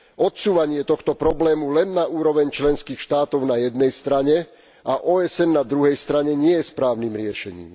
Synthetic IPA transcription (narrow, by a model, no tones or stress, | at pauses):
ɔt̪suːʋaɲɪɛt̪ɔxt̪ɔpɾɔblɛːmulɛnːaʔuːɾɔʋɛɲt͡ʃlɛnskiːxʃt̪aːt̪ɔʊnajɛd̪nɛjst̪ɾaɲɛ | ʔaʔɔːɛsɛnːad̪ɾuɦɛjst̪ɾaɲɛɲɪɛjɛspɾaːʊniːmɾɪɛʃɛɲḭːm